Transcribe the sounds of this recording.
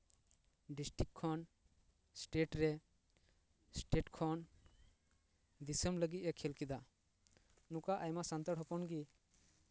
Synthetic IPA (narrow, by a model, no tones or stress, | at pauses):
ɖisʈɾikʰːɔn | sʈeʈɾɛ | sʈeʈkʰɔn | d̪isəmləɡit̪̚ˀɛkʰɛlkid̪a | nukaʔajmasant̪əɽɦɔpɔnɡi